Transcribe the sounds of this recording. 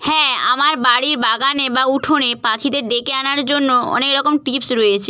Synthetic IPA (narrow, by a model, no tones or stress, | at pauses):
hɛ̃a̰maɾbaɽiɾbaɡanebauʈʰonepakʰid̪eɾɖekeanaɾd͡ʑonːoɔ̰nekɾɔkomʈipsɾoet͡ɕʰe